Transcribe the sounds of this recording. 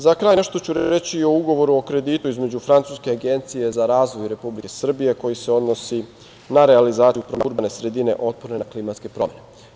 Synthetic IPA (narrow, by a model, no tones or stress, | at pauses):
zakɾajneʃt̪o̞t͡ɕuɾɾet͡ɕiːo̞uɡo̞ʋo̞ɾuokɾe̞d̪it̪uizme̞d͡ʑufɾant̪suːske̞aɡe̞nt̪sije̞zaɾaːzʋojɾe̞publikesr̩bije̞ko̞jise̞o̞d̪no̞si | naɾe̞alizaːiupɾomuɾbane̞sɾe̞d̪ine̞̰ʔo̞t̪̚poɾnenaklimat̪ske̞pɾomjene